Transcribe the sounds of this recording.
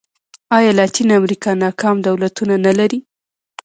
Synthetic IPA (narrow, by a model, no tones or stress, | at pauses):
ɑjɑlɑt̪inamɾikɑnɑkʰɑmd̪awlat̪unanalaɾi